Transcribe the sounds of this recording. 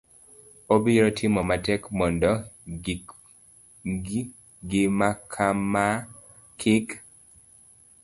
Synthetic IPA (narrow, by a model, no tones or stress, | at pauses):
obiɾɔtʰɪmɔmatɛkmɔndɔ | ɡɪmakʰama | kʰɪk